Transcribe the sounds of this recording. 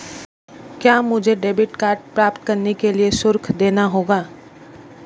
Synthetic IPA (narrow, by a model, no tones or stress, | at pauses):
kjaːmʊd͡ʒʱeɖeːbɪʈkaːɾʈ̚pɾaːpt̪̚kɐɾnekeliesʊɾkʰd̪eːnaɦoːɡaː